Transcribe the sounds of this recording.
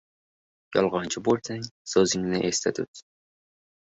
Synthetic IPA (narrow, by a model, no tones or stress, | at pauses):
jɒ̰lˠʁɑnt͡ʃʰɪboɾt̪ʰaŋsozɪŋnɪʔest̪ʰat̪ʰʊt̪